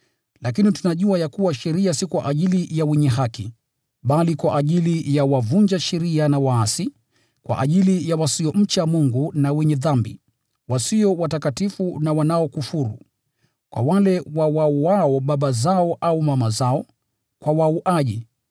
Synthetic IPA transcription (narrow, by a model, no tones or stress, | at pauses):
lak̬initunaʄuajakuwaʃɛɾiasikwa̰ʔaʄilijawɛɲɛɦaki | ɓalikwaʔːʄilijawavund͡ʒaʃɛɾianawaasi | kwa̰ʔaʄilijawasiɔm̩t͡ʃamuŋɡunawɛɲɛðambi | wasiɔwatakatifunawanaɔkufuɾṵ | kwa̰walɛwawauaɔɓaɓazaɔʔaumamazaɔ | kwawauʔaʄi